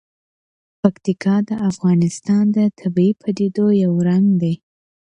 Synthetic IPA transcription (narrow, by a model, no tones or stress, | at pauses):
pakt̪ikʰɑd̪əʔafɣɑnɪst̪ɑnd̪ət̪ʰabiipʰad̪ed̪ojawɾaŋd̪ej